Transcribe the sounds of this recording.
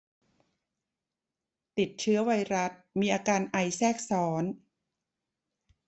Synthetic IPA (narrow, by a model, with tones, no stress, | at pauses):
t̪i˨˩t̪̚t͡ɕʰɯ˦˥ɐwa˧jɾa˦˥t̪̚miː˧ʔaː˧kaː˧nʔa˧jsɛː˥˩k̚sɔː˩˦˥n